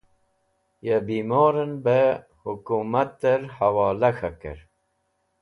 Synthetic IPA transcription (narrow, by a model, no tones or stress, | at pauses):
jɛbiːmoːɾənbə | hukumat̪̚ːəɾhawɑːlɐxakɨ̰ɾ